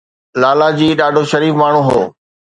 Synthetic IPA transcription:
laːlad͡ʑiːɗaːɖʱoʃɐɾiːfmaːɳ̤ũɦo̰ː

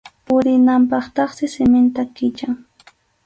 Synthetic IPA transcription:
pʊɾɪnampɑχt̪ɑχsɪsɪmɪnt̪akɪt͡ʃaŋ

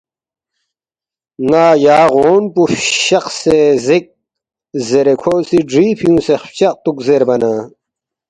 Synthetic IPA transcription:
ŋaːjaːʁoːnpufɕɐqsezik̚ | zeɾekʰoːsiɖɾiːpʰjũːsext͡ɕɐq̚t̪ukzeɾbɐna

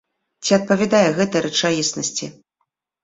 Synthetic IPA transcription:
t͡sʲiɐt̪̚pɐvʲad̪ajɛɣɛt̪ɐɾɛt͡ʂajisnɐsʲt͡sʲi

